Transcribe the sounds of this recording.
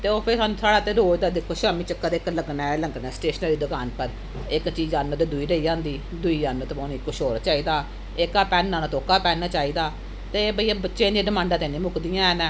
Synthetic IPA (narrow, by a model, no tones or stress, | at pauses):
t̪eːoːpʰɪɾsaːnũːsaːɽaːt̪eːɾoːd͡ʒd̪aːd̪ɪkʰoːʃaːmiːt͡ʃəkːəɾɪkləɡnaːləŋɡnɛːsʈeːʃnəɾiːd̪əkaːnpəɾ | ɪkt͡ʃiːzaːnːoːd̪eːd̪ʊiːɾəiːd͡ʒãːnd̪iː | d̪ʊiːaːnːõːt̪emoːniːkːoʃoːɾt͡ʃaːiːd̪aː | ɪkaːpɛːnːãːnaːt̪oːkaːpɛːnaːt͡ʃaːiːd̪aː | t̪eːbəiːaːbətːʃẽːd̪ijaːɖɪmãːɳɖãːt̪ẽːnĩːmʊkd̪ijãːɛːnɛː